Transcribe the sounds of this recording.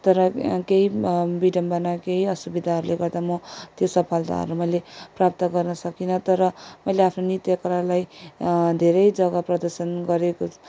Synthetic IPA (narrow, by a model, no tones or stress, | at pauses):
t̪ʌɾʌkeibiɖʌmbʌnakeiʌsubid̪ʱaɦʌɾuleɡʌrd̪amʌt̪josʌpʰalt̪a̰ɦʌ̰ɾumʌjleprap̚t̪ʌɡʌrnʌsʌkinʌt̪ʌɾʌmʌjleapʰnonit̪jʌkʌɾalaj | d̪ʱeɾʌjd͡zʌɡʌprʌd̪ʌrsʌnɡʌɾeko